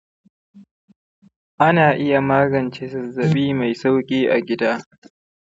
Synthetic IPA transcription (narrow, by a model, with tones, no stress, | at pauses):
ʔa˦naː˨ʔɪ˦ja˨maː˦ɡɐ˨nt͡ʃeː˦sɐ˨zːɐ˨ɓiː˦ma˨jsa˦wkʲʼiː˦ʔa˨ɡʲɪ˦daː˦